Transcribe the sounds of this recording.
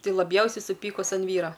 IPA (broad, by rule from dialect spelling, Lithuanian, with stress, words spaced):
ˈtɐɪ lˠɐˈbʲjɛʊsʲɛɪ sʊˈpʲiːkʊs ɐn ˈʋʲiːroː